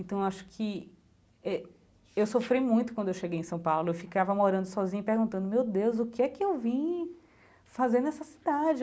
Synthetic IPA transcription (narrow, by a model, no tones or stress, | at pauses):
ẽt̪ɐ̃w̃ewaʃʊ̥kʰɪ | ɛ | ewsofɾejmũj̃t̪ʊ̥kwɐ̃d̪ʊewʃeɡejẽsɐ̃w̃pawlʊewfikavɐmoɾɐ̃nd̪ʊsɔzĩɲʊipeɾɡũnt̪ɐ̃nd̪ʊmewd̪ewzʊkɪɛkɪewvĩ | fazeɾnɛsɐsi̥d̪ad͡ʒɪ